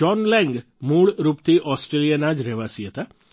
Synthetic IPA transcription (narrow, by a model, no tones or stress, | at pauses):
ɔnlɛ̃ŋɡ | muːɭɾupt̪ʰiʔɔsʈɾelijənad͡ʒɾɛʋasiɦət̪a